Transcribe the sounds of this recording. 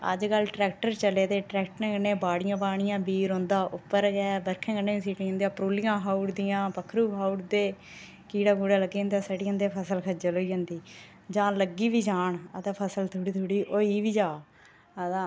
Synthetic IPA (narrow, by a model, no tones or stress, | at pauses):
ə̰d͡ʒkəlʈɾɛːk̚ʈəɾt͡ʃəleːt̪eːʈɾɛːkʈnẽːɡənːẽːbaːɽɪjãːbaːɳ̃ɪjãːbiːɾõːnd̪aːʔʊpːəɾɡɛːbəɾkʰẽːɡənːeːiːsiːʈĩːnd̪ijaːpɾuːlɪjãːɦaːuʈd̪ɪjãːpəkʰːɾuːɦaːuʈd̪eː | kiːɽaːɡuːɽaːləɡːĩːnd̪aːsəɖijãːnd̪eːpʰəsəlkʰəd͡ʒəloːiːd͡ʒãːnd̪iː | d͡ʒãːləɡiːʋiːd͡ʒaːɳəd̪aːpʰəsəlt̪ʰʊɽiːt̪ʰoːɽiːʔoːiːʋiːd͡ʒaː | a